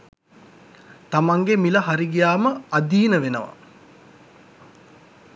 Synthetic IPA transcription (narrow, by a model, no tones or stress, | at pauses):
t̪amaŋɡemilɐɦaɾiɡijaːməad̪iːnəʋenəʋa̰